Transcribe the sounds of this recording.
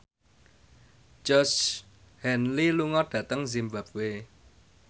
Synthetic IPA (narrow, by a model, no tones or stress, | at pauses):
d͡ʒɔs | hɛnliluŋɔɖ̥ä̤t̪əŋzimba̤p̚we